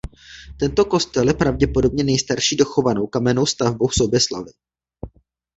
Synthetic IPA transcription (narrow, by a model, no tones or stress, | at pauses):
t̪ɛnt̪o̞ko̞st̪ɛljɛpɾavɟɛpo̞do̞bɲɛnɛjst̪aɾʃiːdo̞xo̞vano̞wkamɛno̞wst̪avbowsobjɛsla̰vɪ